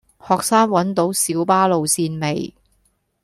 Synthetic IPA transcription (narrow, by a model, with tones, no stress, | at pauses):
hɔː˨k̚saː˥ŋwɐ˨˥nt̪o˨˥wsiː˨˥wpaː˥lo˨wsiː˧nme˨j